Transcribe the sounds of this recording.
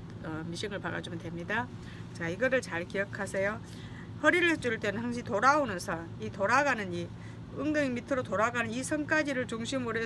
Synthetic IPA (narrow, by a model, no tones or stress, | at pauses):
ʌmiɕʰiŋɯɭpaɡa̰d͡ʑumɯntwe̞mɲida | t͡ɕaiɡʌɾɯɭt͡ɕaɭkijʌkʰasʰejo | hʌɾiɾɯɭt͡ɕ͈uɭt͈enɯnhaŋɕ̬ʰiitoɾaonɯnsʰʌ | itoɾaɡanɯni | ɯŋdɯŋmitʰɯɾotoɾaɡanɯnisʰʌŋk͈ad͡ʑiɾɯɭt͡ɕuŋɕʰimɯɾe